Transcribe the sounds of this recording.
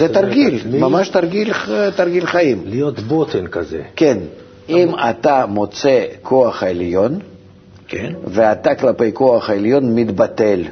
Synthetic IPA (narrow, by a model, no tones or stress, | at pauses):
zɛt̪arɡʲilʲmamaʃt̪arɡʲilʲt̪arɡʲilʲχajimlijot̪bot̪ɛnkɐzɛ̰kʲen | imat̪amot̪sekʰo̞ɐχɐelʲjo̞n | kveat̪aklapejko̞ɐχɐelʲjo̞nmʲid̪bat̪elʲ